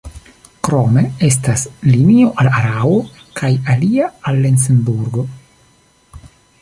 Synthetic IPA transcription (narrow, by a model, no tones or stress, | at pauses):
kɾo̞me̞e̞staslinio̞ʔalaɾao | kʰajaliaalːens̬enbuɾɡo̞